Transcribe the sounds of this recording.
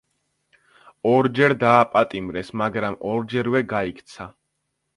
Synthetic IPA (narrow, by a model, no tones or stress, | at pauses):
ɔɾd͡ʒɛɾd̪aːpʼat̪ʼimɾɛsmaɡɾamɔɾd͡ʒɛɾvɛɡaikʰʼt̪sʰa